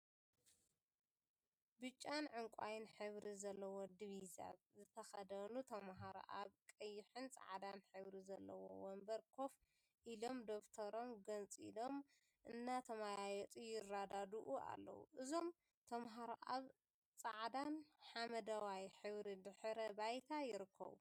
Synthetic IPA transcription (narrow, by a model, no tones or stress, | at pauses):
bɨt͡ʃʼːanʕɨŋkʷʼajɪnħɨβɾizɐlːɐwod̪iβiza̰βzɨt̪ʰɐxɐd̪ɐnut̪ʰɐmɦaɾo̰ʔaβkʼɐjːɪħɨnt͡sʼa̰ʕd̪anħɨβɾizɐlːɐ̰wo̰wɐmbɐɾkʰo̞f | ʔilo̞md̪o̞kt̪ʰɐɾo̞mɡɐnt͡sʼilo̞m | ʔɨnːat̪ʰɐmajajɛt͡s̪ʼujɪrːad̪ad̪uʔua̰lːɐ̰wṵʔɨzo̞m | t̪ʰɐmɦaɾoʔaβ | t͡sʼaʕd̪anħamɐd̪ɐwajħɨβɾid̪ɨħɾɐbajt̪ʰajɪɾɨkʰːɐ̰βṵ